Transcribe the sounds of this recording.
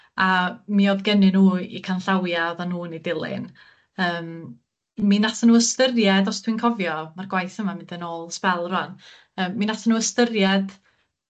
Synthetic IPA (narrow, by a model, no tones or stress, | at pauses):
amioðɡɛnɨnuːḭkʰanɬawjaðanuːnidɪlˠɪ̰n | əːm | minatʰanuːəstərjɛdɔstʰwinkʰɔvjɔmarɡwajθəmamɪndənoːlˠspɛlˠrɔn | əːmːinatʰənuːəstərjɛd̥